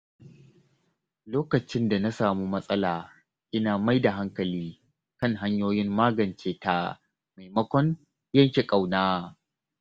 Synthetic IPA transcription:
loː˦kɐ˨t͡ʃɪ˦nda˨na˦saː˨mu˦mɐ˦sʼɐ˦laː˨ | ʔɪ˦naː˨ma˦jda˨ɦa˦ŋkɐ˨liː˦ | kɐ˦ŋɦa˦ɲjoː˦jɪ˦mːaː˦ɡɐ˨nt͡ʃeː˦ta̰˦ | ma˨jmɐ˦kʷɔ˦n | jɐ˦˨ŋkʲe˨kʼa˨wnaː˦

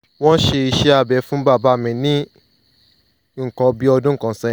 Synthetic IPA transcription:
w̃ɔ̃˦n̩˦ʃe˧i˧ʃɛ˦a˧bɛ˨˧˦fũ˦ba˦˨ba˦˨mĩ˨˧˦nĩ˦ | ŋ̩˨kɔ̃˧˦bi˦ɔ˧dũ˦˨kã˨sɛ̃˦˨

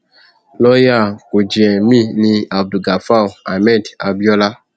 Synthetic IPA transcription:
lɔ˦ja˦˨ko˨d͡ʒi˨ɛ˨mĩ˦˨nĩ˦a˨b̚du˨ɡa˨fa˦˨a˨mɛ˦˨da˨bi˦ɔ˦la˦

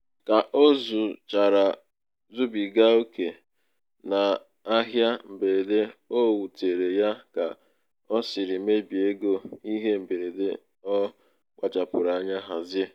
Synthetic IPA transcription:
ka˨ʔo˦zu˨t͡ʃa˨ɾa˨ | zu˦bi˨ɡa˦o˦ke˨ | na˨ | a˦ɦja˦m̩˨be˨ɾe˨de˦o˦wu˨te˨ɾe˨ja˦ka̰˨ | ɔ˦sɪ˨ɾɪ˨˦me˦bi˨e˦ɡo˦i˦ɦe˦m̩˨be˨ɾe˨dḛ˦ | ɔ˦ | k͡pʷa˨t͡ʃa˨pʊ˨ɾa˨a˨˦ɲa˦ɦa˨zje˦

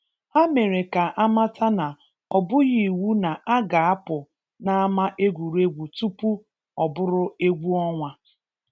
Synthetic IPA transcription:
a˦me˨ɾe˨ka˨ʔa˦ma˦tʰa˦na˨ | ɔ˨bʊ˦ɣi˨wu˦na˨ʔa˦ɡa˨a˦pʊ˨ | na˦a˦ma˦ʔe˦ɡʷu˨ɾe˦ɡʷu˨tu˦pu˦ | ɔ˨bʊ˦ɾʊ˦e˦ɡʷu˦ɔ˦ŋʷa˦

